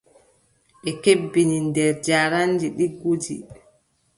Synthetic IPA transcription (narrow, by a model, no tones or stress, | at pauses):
ʔɛkebːinindɛɾd͡ʒaɾand͡ʒiɗiɡud͡ʒḭ